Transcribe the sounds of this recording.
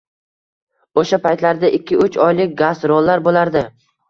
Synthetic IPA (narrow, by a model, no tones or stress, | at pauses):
oʃapajt̪laɾd̪aʔɪkʲʰːɪʊt͡ʃɒjlɪk̚ʲɡazɾolˠːaɾbolaɾd̪ɪ